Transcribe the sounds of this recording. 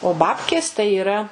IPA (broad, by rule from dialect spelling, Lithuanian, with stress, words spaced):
oː ˈbɑːpʲkʲeːs tɐɪ iːˈrɐ